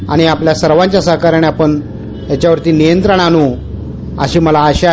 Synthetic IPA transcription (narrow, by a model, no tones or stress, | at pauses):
a̰ɽ̃iapljasəɾʋãɲt͡ɕjasəɦkaɾaɽ̃iapəɳ | jat͡ɕjaʋəɾt̪iːnijənt̪ɾəɳ̃anu | ə̰ɕiːməlaːɕe